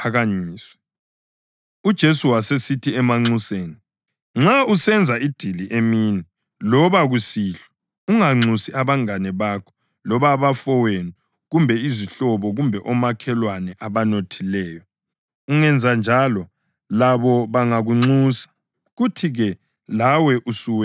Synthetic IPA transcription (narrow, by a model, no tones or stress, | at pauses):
pʰaɣaɲiːswɛ̥ | ud̥ʒ̥ʱesuwasesitʰiɛmaŋ͡ǀuseːni | ŋ͡ǁausɛnd͡zʱaid̥ʱiliʔemiːni | lɔβaɣusiɬɔ̥ | uŋaŋ͡ǀusiaβaŋanɛβaːkʰɔ̥ | lɔβaβafɔwenu | ɣumbʱɛiziɬɔβɔɣumbʱɛʔɔmakʰɛlwanɛʔaβanotʰilɛːjɔ | uŋɛnd͡zʱand͡ʒʱalɔ | laβɔβaŋaɣuŋ͡ǀusḁ | ɣutʰiɣɛ | lawɛʔusuwɛ